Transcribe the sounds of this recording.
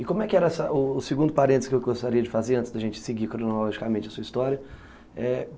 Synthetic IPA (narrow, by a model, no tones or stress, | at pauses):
ɪkõmʊɛkɪɛɾɐɛsɐʔʊːsɪɡũnd̪ʊpaɾẽnt̪ɪz̥kewɡost̪aɾiɐd͡ʒɪfazeɾɐ̃nt͡ʃɪzd̪ɐʒẽt͡ʃɪ̥sɪɡikɾõnoolɔʒikamẽnt͡ʃɪɐsuɐist̪ɔɾjɐ | ɛ